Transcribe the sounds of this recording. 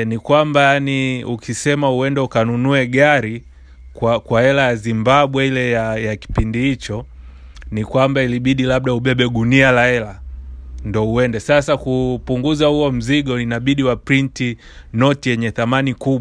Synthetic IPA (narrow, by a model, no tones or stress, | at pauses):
nikwambajaniukʰisɛmauɛndɛukanunuɛɡaɾi | kwakwaɛlajazimbaɓwɛilɛjajaki̥pindihit͡ʃɔ | nikwambailiɓiɗilaɓ̚ɗauɓɛɓɛɡunialaɛla | ndɔuɛndɛsasakupuŋɡuzahuɔm̩ziɠɔninaɓiɗiwapɾinti | nɔtijɛɲɛθamanikuɓ